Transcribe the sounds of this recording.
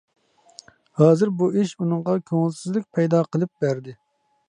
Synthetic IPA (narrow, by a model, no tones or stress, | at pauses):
hɑːzɨɾbuiʃunɨŋʁɑkʲʰoŋɪlˠsɪzlɪk̚ʲpʰɛjd̪ɑːqʰəlˠɨp̚bæɾd̪ɪ